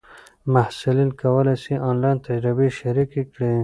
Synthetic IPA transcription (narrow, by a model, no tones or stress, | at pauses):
mahsʊlinkawəlajsiʔɑnlɑjnt̪ad͡ʒɾɪbeʃaɾikekɽi